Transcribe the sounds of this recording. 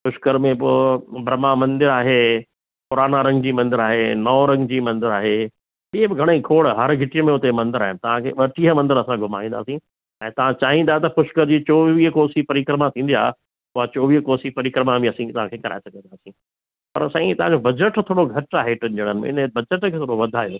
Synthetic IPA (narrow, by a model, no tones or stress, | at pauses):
xʊʃkəɾmẽbʊbɾɐmamɐ̃nd̪ɪɾaːɦeː | pʊɾaːnaɾɐ̃ŋɡd͡ʑiːmɐ̃nd̪ɪɾaːɦenɔːɾɐ̃ŋɡd͡ʑiːmɐ̃nd̪ɪɾaːɦe | ɪɦebɪɡʱɐɽ̃eikʰoːɽɦɐɾɡʱɪʈijəmẽʊt̪emɐ̃nd̪ɪɾaːɦɪ̃nɪ̆t̪ɐʋ̤ãkʰḛːʋɐʈiɦəmɐ̃nd̪ɪɾɐsãɡʱʊma̰ːʋĩːnd̪a̰ːsĩ | ɛ̃ːt̪ɐʋ̤ãt͡ɕaːɦĩnd̪aɦet̪ɐpʊʃkəɾd͡ʑiːt͡ɕoːʋiːɦkoːsipɐɾɪkɾəmat̪ʰĩːnd̪ija̰ːɦ | ʊɦat͡ɕoːʋiːɦkoːsipɐɾɪkɾəmabiɐsĩt̪ɐʋ̤ãkʰeːkɐɾa̰ːɪsɐɡə̃nd̪aːsĩ | pɐɾsɐ̃ĩt̪ɐɦãd͡ʑobɐd͡ʑəʈt̪ʰoːɽoɡʱɐt͡ɕaːɦeʈɪnd͡ʑeɽ̃ənɪmḛ̃ɪ̰nəbɐd͡ʑəʈkʰeːt̪ʰoːɽoʋɐd̪ʱaːĩjo